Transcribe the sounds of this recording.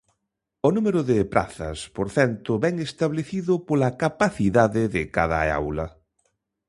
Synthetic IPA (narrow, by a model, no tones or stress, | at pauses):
ʊnumeɾʊðɪpɾa̰θɐ̰spoɾθɛnt̪ʊβɛŋest̪aβleθiðʊpolɐkapaθiðaðɪðɪka̰ðɐ̰a̰wlɐ̰